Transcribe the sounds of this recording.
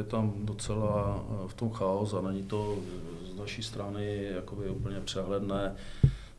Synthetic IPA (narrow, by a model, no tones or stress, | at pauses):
ɛt̪amdot͡sɛlaft̪omxaosanɛɲit̪o | znaʃist̪ɾanɪjakobɪupl̩ɲɛpr̝̥ɛɦlɛdnɛː